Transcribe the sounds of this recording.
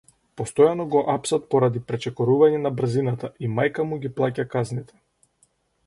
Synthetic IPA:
pɔst̪ɔjanɔɡɔʔapsat̪̚pɔɾad̪ipɾɛt͡ʃɛkɔɾuvaɲɛnabr̩zinat̪aʔimajkamuɡʲiplˠacakaznit̪ʰɛ̥

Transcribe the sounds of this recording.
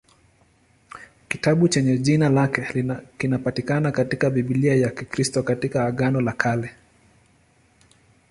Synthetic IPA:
kitaɓut͡ʃɛɲɛʄinalakɛkinapatikanakatikaviɓiliajakikɾistɔkatikaːɠanɔlakʰalɛ

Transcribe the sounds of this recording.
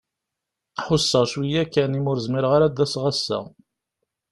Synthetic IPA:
ħʊsːəʁʃwijækːænimʊɾzmɪɾʁaɾad̪ːæsʁæsːæ̰

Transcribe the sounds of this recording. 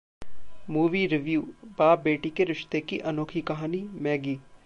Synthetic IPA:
muːʋiɾɪʋjuːbaːp̚beːʈikeɾɪʃt̪ekiʔɐnoːkʰikɐɦaːnimɛːɡiː

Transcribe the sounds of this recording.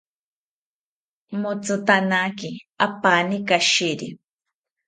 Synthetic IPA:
mʊt͡sʊt̪anakɪapanɪkaʃɪɾḭ

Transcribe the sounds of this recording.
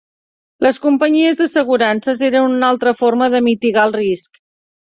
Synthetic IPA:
ləskumpəɲiəzðəsəɣ̞uɾansəzeɾənunalˠt̪ɾəfoɾməðəmit̪iɣaəlˠrisk

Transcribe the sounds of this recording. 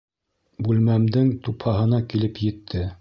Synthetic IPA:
bʉlmæmd̪ɘŋt̪uphɑɦɤ̆nɑkilɘpjɘ̆t̪ʰːɘ

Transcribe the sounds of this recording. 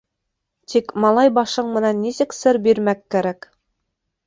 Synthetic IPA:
t̪ʰikmɑlˠɑjbɑʃɤɴmɘ̆nænːisɘksɘɾbiɾmækːæɾæk

